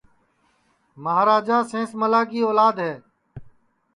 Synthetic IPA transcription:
məɦaːɾaːd͡ʒaːsẽːsməlaːkiːoːlaːd̪ɦɛː

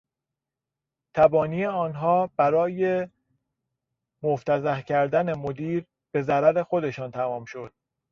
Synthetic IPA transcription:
t̪ʰæbɒːniːeɒːnɦɒːb̥æɾɒːje | moft̪ʰæzæhcʰæɾd̪æne̞mod̪iːɾ | b̥e̞zæɾæɾe̞xo̞d̪e̞ʃɒːnt̪ʰæmɒːmʃo̞d̪̥̚

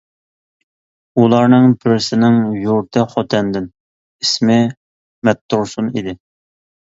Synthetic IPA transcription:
ulˠɑɾnɨŋbɪɾɪsɪnɪŋjuɾt̪ʰɛχot̪ʰɛnd̪ɪn | ismɪ | mɛt̪ʰːuɾsunḭd̪ɪ

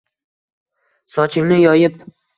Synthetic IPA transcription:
sɒt͡ʃʰɪŋnɪjɒjɪp̚

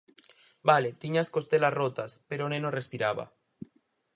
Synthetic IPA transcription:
balet̪iɲaskost̪elasrot̪aspeɾonenorespiɾaβa̰

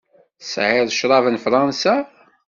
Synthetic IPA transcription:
sʕɪðˤʃɾˤɑvənfɾˤɑnsa

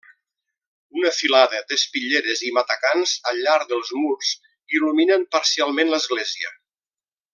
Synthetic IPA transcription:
unəfilaðəd̪əspiʎeɾəzimat̪əkanzəʎːaɾðəlˠzmurz | iluminəmpəɾsialˠmenləzɣlɛziə̰

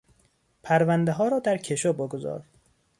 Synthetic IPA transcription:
pʰæɾvænd̪eɦɒːɾɒːd̪æɾcʰeʃoboɡozɒ̰ːɾ

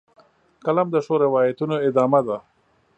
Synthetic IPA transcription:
kalamd̪əʂoɾɪwɑjat̪unoɪd̪ɑmad̪a

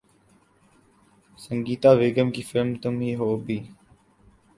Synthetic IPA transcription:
səŋɡiːt̪aːʋeːɡəmkiːfɪlmt̪ʊmɦiːɦoːbiː

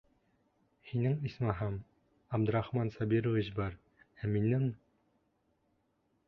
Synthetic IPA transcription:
hinɘŋismɑɦɑm | æbd̪ɘ̆ɾɑχmɑnsɑbiɾŏviɕbɑɾ | æminɘm

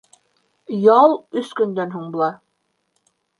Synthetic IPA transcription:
jɑlˠɵskɵ̆nd̪ænɦuɴbŏlˠɑ

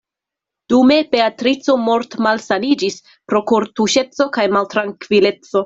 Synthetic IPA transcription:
d̥ume̞be̞atɾit͡so̞mo̞ɾtmalsanid͡ʒis | pɾo̞kuɾtuʃe̞t͡so̞kajmaltɾaŋkvile̞t͡so̞

